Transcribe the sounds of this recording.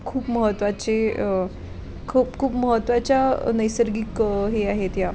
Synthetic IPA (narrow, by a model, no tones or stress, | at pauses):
kʰuːpməɦət̪ʋat͡ɕe | kʰuːpkʰuːpməɦət̪ʋat͡ɕjanəjsəɾɡiːkɦeaɦet̪ja